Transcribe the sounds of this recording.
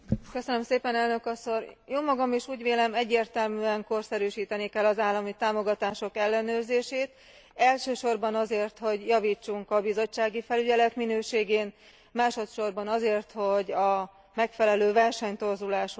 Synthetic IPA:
køsønømseːpɛnɛlnø̞kɒsorjoːmɒɡɒmiʃuːɟʋeːlɛmɛɟːeːrt̪ɛlmyɛŋko̞rsɛɾyːʃiːt̪ɛnikɛlːɒzaːlːɒmit̪aːmo̞ɡɒt̪aːʃo̞kɛlːɛnøːrzeːʃeːt̪ | ɛlʃøːʃo̞rbɒnɒzeːrt̪ho̞ɟjɒviːt͡ʃːuŋkɒbizo̞t͡ʃːaːɡifɛlyɟɛlɛt̪minøːʃeːɡeːn | maːʃo̞t̪ʃo̞rbɒnɒzeːrt̪ho̞ɟɒ | mɛkfɛlɛløːvɛrʃɛɲt̪o̞rzulaːʃo

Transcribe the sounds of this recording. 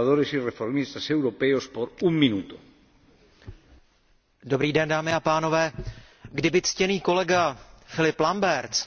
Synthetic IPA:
aðoɾesirefoɾmist̪asewɾopeospoɾuŋminut̪o̥ | do̞bɾiːdɛndaːmɪapaːno̞vɛː | ɡdɪbɪt͡scɛniːko̞lɛɡafɪlɪplambɛɾt͡s

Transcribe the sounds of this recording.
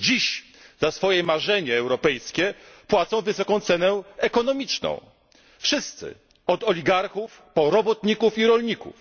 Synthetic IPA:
d͡ʑiɕ | zasfɔjɛmaʐɛɲɛːwɾɔpɛjskʲɛpwat̪sɔ̃w̃vɘsɔkɔ̃w̃t̪sɛnɛɛkɔnɔmʲit͡ʂnɔ̰̃w̃ | fʂɘst̪sɘ̰ | ɔd̪ɔlʲiɡaɾxuf | pɔɾɔbɔt̪ɲikufiɾɔlɲikṵf

